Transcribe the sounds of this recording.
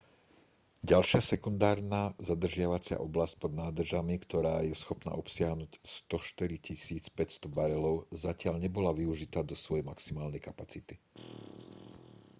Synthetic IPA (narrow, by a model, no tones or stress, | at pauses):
ɟalʃɪasɛkund̪aːɾnazad̪r̩ʒɪaʋat͡sɪa̰ʔɔblasc̚pɔd̪naːd̪r̩ʒamikt̪ɔɾaːjɛsxɔpna̰ːʔɔpsɪaɦnuːcst̪ɔʃt̪iɾicisiːt͡spɛcst̪ɔbaɾɛlɔʊzacɪaʎɲɛbɔlaʋiuʒit̪aːd̪ɔsʋɔjɛjmaksimaːlnɛjkapat͡sit̪i